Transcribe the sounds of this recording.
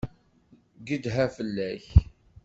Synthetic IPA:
ɡəd̪ɦæfəlːæç

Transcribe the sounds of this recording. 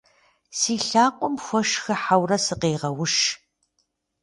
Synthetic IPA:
siːɬaːqʷʼɔmxʷɔʂxɐħawrɐsɨqeːʁɐwʊʂ

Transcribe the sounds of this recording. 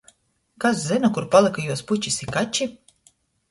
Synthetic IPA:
kaszinɔkuɾpalˠɨkajuɔsput͡ʃʲisikat͡ʃi

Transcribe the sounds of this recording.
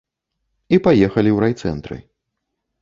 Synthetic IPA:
ipajɛxɐlʲiwɾajt̪sɛ̰nt̪ɾɨ̰

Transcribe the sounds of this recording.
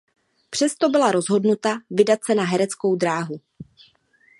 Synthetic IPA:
pr̝̥ɛst̪o̞bɪlaɾo̞zɦo̞dnut̪avɪdat̪̚sɛnaɦɛɾɛt͡sko̞wdɾaːɦu

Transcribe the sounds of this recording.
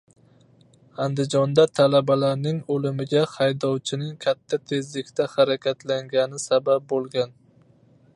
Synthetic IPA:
and̪ɪd͡ʒɒnd̪at̪ʰalabalaɾnɪŋolɪmɪɡʲahajd̪ɒwt͡ʃʰɪnɪŋkʲʰat̪ʰːat̪ʰe̞zlɪkʲt̪ʰahaɾakʲʰat̪ʰlaŋɡʲanɪsabap̚bolˠɡʲan

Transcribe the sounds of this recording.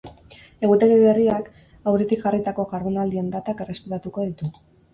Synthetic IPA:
e̞ɣut̪eleβe̞riak | awɾit̪ikʝarit̪ako̞ɣaɾβonald̪ie̞nd̪at̪ake̞re̞spiɾat̪uko̞ðit̪u

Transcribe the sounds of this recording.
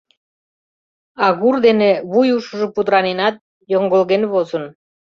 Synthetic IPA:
ɑɣurd̪eneβujuʃuʒŏpud̪ɾɑnenɑt̪̚ | joŋɡolɣenβozə̆n

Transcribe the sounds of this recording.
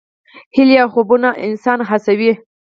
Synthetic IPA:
hɪljɑxobunaʔɪ̰nsɑnɦasawi

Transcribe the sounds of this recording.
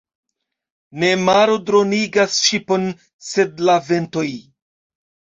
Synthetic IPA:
ne̞maɾodɾo̞niɡasʃipo̞n | se̞dlave̞nto̞j

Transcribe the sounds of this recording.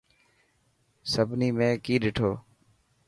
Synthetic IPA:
səbʱniːmẽːkiːɗɪːʈʰoː

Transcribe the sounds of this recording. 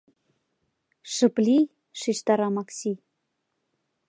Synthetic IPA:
ʃə̆plʲi | ʃiʃt̪ɑɾɑmɑksʲi

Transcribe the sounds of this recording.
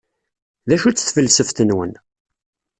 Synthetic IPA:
ðæʃut͡sːθfəlːsəft̪ənwə̰n

